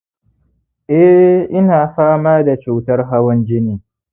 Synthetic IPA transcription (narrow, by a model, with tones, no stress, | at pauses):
ʔɛ˦ʔɪ˦naː˨ɸaː˦maː˦da˨t͡ʃu˨tɐ˦rɦa˦wɔ˦nd͡ʒɪ˦niː˨